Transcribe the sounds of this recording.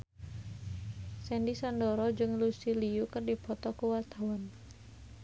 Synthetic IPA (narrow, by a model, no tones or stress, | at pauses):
sɛndisandɔɾɔd͡ʒɨŋlusiliukɨrdipɔt̪ɔkuwart̪awan